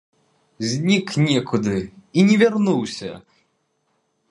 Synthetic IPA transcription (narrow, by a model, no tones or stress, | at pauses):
zʲnʲiknʲɛkʰud̪ɨinʲɛvʲarnuwsʲɐ̰